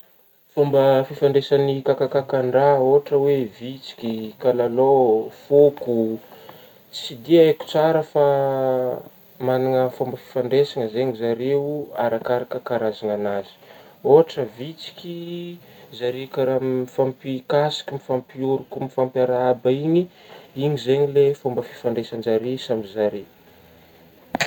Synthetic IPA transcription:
fombəfifaɳɖ͡ʐesanikakakakaɳɖ͡ʐaoɦaʈ͡ʂəwevit͡si̥kʲikalalofoku | t͡sid̪iaku̥t͡saɾəfa | manaŋəfombəfi̥faɳɖ͡ʐesaŋəzeɲizaɾeua̰ɾakaɾakəkaɾazaŋanazi̥oɦaʈ͡ʂəvit͡si̥kʲi | zaɾeukaɾamifampikasi̥kʲimifampiuɾukumifampjaɾaabaiɲi | iɲizeɲilefombəfi̥faɳɖ͡ʐesand͡ʒaɾesambizaɾe

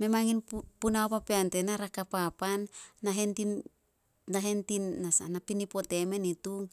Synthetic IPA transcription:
me̞maŋinpunaopapeante̞naɾakapapanːaɦenti | naɦe̞ntinːasanapinipo̞te̞me̞nituŋ

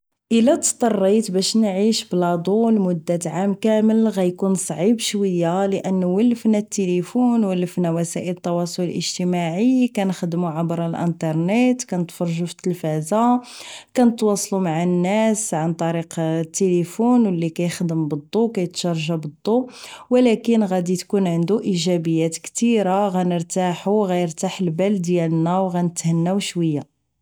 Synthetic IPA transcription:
ʔəlæt̪t̪ˤːɑrˤːit̪bæʃnʕiʃblɑd̪ˤulmʊd̪ːæt̪ʕamkæməlɣæjkunsˤʕibʃwəjːaləʔənːuwəlːəfnæt̪ːelifunwəlːəfnæwæsæʔələt̪ˤːɑwɑsˤoləlʔə̰ʒt̪əmaʕikænxəd̪muʕabɾˤəlʔə̰nt̪ˤɑɾˤnet̪kænət̪fɑɾˤʒufə̥t̪ːəlfæzakænət̪wɑsˤlumaʕanːæsʕant̪ˤɑɾiqt̪ːelifunwəlːikæjxd̪əmbəd̪ˤːukæjət̪ʃɑɾˤʒabəd̪ˤːuwəlækənɣæd̪it̪kunʕənd̪uʔiʒæbəjːæt̪kt̪iɾaɣænəɾt̪aħuɣæjəɾt̪aħəlbæld̪jælnːæwɣænət̪hənːæwʃwəjːa

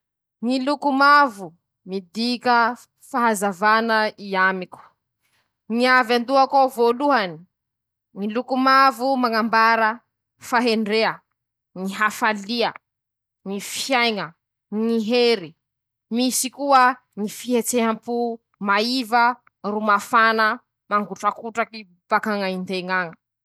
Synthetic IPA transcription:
ŋilukumavu | mid̪ikə | faɦazavanəiamiku̥ | ŋiavand̪uakovoluɦani̥ | ŋilukumavumaŋambaɾə | faɦeɳɖ͡ʐeə | niɦafaliə | nifjajŋə | niɦeɾi | misikuə | nifiɦet͡seɦampu | maivə | rumafanə | maŋɡuʈ͡ʂakuʈ͡ʂaki | b̥akaŋaind̪eŋaŋə̥

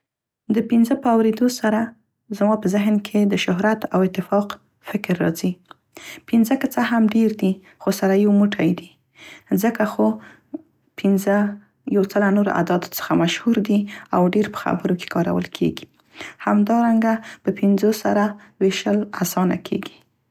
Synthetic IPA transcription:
d̪əpɪnzəpəawɾed̪osaɾa | zmɑpəzɪɦnkʰed̪əʃʊɦɾat̪awɪt̪ːɪfɑq | fɪkɾːɑ̰zi | pɪnzəkat͡saɦamɖeɾd̪i | xosaɾajawmuʈʰajd̪i | zəkaxo | pɪnzə | jawt͡səlanoɾo̰ʔa̰d̪ɑd̪t͡sə̥xamaʃhuɾd̪iawɖeɾpə̥xa̰bəɾoke̥kɑɾa̰wə̰lkʰḛɡi̥ | hamd̪ɑɾaŋɡapəpɪnzosaɾa | weʃəlasɑna̰kʰḛɡi̥

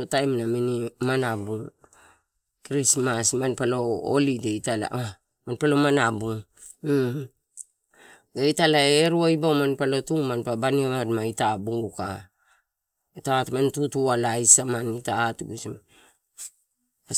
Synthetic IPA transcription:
otajmnaminimanabuŋ | kɾismasmanpalo̞o̰lideitala̰ | manpalo̞manabuŋ | ɡaitalaeɾuajbawmanpalo̞tuŋmanpabaniamadmaitabuŋuka̰ | itatmantutualajsamanitaːtuɡusma

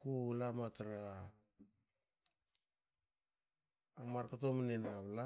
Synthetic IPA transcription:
kuulamataɾa | maɾkotomanenaβla

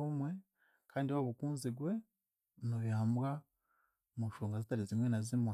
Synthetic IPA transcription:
omwe̞ | kʰaːndiwaβukuːnziɡwe̞ | noβjaːmbɡa | muʃuːŋɡazitaɾizimwenazima

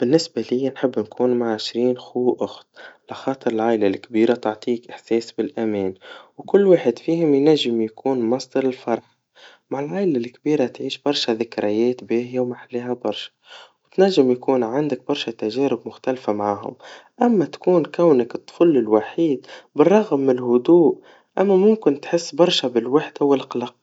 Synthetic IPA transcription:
b̥ɪnːɪsbalɪjːanħɪbːnkuːnmaʕʕɪʃɾiːnxuːʔʊxt̪̚laxɑːt̪ˤɨɾɪlʕaːʔlalkbiːɾat̪ʊʕt̪ˤiːkʔɪħseːsbɪlʔameːnwkʊlːwaːħɪd̪fiːhʊmjnaʒːɪmjakuːnmɑsˤd̪ɑɾˤɪlfɑɾˤħ | maʕɪlʕaːʔɪlalkbiːɾat̪ʕiːʃb̥ɑɾˤʃaðɪkɾɪjeːt̪beːhjawmaħalːiːɦabɑɾˤʃḁwt̪naʒːɪmjakuːnʕand̪ak̚bɑɾˤʃat̪aʒeːɾɪb̚mʊxt̪alfamaʕaːɦʊ̰mʔamːat̪ḁkuːnkawnakɨt̪ˤːfʊlːɪlwaħiːd̪bɪrˤːɑɣmːlɦʊd̪uːʔ | ʔamːamʊmkɪnt̪ħɪsːbɑɾˤʃabɪlwaħd̪awɪlʔqlɑq̚

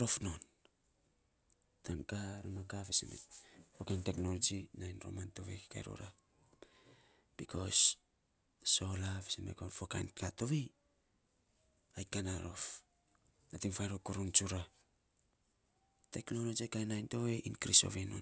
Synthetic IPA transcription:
ɾo̞fnon | tankaɾamakafisemḛfokajnteknolod͡ʒinajnɾo̰mantoβeki̥ka̰jɾo̰ɾa | b̥ikʰo̞s | so̞lafi̥simḛkonfokajnkʰatoβe | ajkanaɾo̞̰f | atiŋfajɾokuɾunt͡ʃuɾa | teknolod͡ʒikajnajntoeʔinkɾiso̞̰βenon

